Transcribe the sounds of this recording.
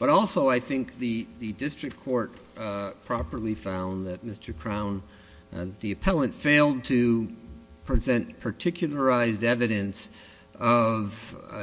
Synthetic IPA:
b̥ʌɾɔlˠsoʊaɪθɪ̃ŋk̚ðɨðɨdɪstɹ̥ɨkʰːɔɹt̚ | pʰɹ̥ɑpə˞lˠifãʊ̃nðɨt̚mɪstʰə˞kʰɹ̥ãʊ̃n | ðɨt̪̚ðiɨpʰɛlˠə̃ntfeɪlˠd̚tʰɨ | pʰɹ̥ɨzɛ̃npʰə˞tʰɪkʰjl̩ˠə˞aɪzdɛvɨɾɨ̃ns | ʌv

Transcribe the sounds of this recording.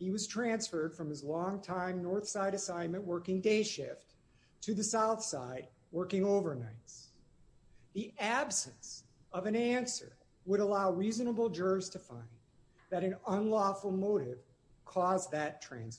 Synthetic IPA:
hiwʌz̥tʰɹ̥æ̃nsfə˞d̥fɹʌ̃mɨzlɔ̃ŋtʰãɪ̃mnɔɹθsaɪɾɨsãɪ̃nmɨ̃nʔwɜ˞kɪ̃ŋdeɪʃɪft | tʰɨðɨsaʊθsa̰ɪd̚ | wɜ˞kɪ̃ŋoʊvə˞naɪts | ðiʔæbsɨ̃ns | ʌvɨ̃næ̃nsə̰˞ | wəɾəlaʊɹiznəbl̩ˠd͡ʒɜ˞bz̥tʰɨfã̰ɪ̃n | ðɨɾɨ̃nʌ̃nlɔfl̩ˠmoʊɾɪv̥ | kʰɔzðɨtʰɹ̥æ̃ns

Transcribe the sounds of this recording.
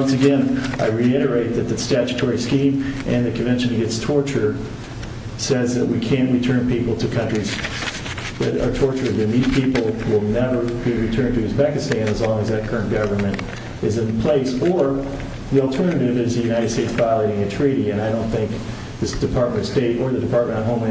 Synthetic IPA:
ʌ̃nsɨɡɛ̃nʔaɪɹiɪɾə˞eɪt̪̚ðɨt̪̚ðɨstæt͡ʃɨ̥tʰɔɹiskĩmʔɨ̃nðɨkʰɨ̃nvɛ̃nʃɨ̃n̩ɨɡɛtstʰɔɹt͡ʃə˞ | sɛzðɨʔ̚wikʰæ̃nʔɹitʰɜ̃˞npipl̩ˠtʰɨkʰʌ̃nt͡ʃɹ̥iz | ðɨɾə̰˞tʰɔɹt͡ʃə˞d̚ɨ̃nipʰipl̩ˠwɪlˠnɛvə˞biɹitʰɜ̃˞ntʰɨɨzpækɨstæ̃nəzlɔ̃ŋɨzðɨt̚kʰɜ˞ɨ̃nɡ̥ʌvə˞mɨ̃nt | ɨzɨ̃npʰl̥eɪsə˞ | ðil̩ˠtʰɜ̃˞nɨɾɨvɨvzðɨjʉñaɪɾɨd̥steɪtsv̥aɪlˠeɪɾɪ̃ŋɨtʰɹ̥iɾiɨ̃naɪɾõʊ̃nθɪ̃ŋk̚ | ðɨd̥ɨpʰɑɹt̚mɨ̃ɾʌ̥steɪɾə˞ðɨdɨpʰɑɹt̚mə̃ɾ̃tət̚ɦõʊ̃mɨ̃

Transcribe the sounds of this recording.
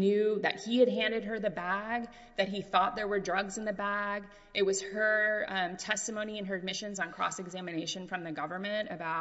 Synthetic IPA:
njʉðɨ̰t̚hiɨd̚ɦæ̃ndɨd̚ə˞ðɨbæɡ̚ | ðɨt̚ɦiθɔt̪̚ðə˞wə˞dɹʌɡzɨ̃nðɨbæɡ | ʔɨt̚wʌz̥hə˞tʰɛstɨmõʊ̃niɨ̃nə˞ɨd̚mɪʃɨ̃nzn̩kʰɹ̥ɔ̰sɨɡzæmɨneɪʃɨ̃nfɹʌ̃mðɨɡʌvə˞mɨ̃ntɨbaʊt̚

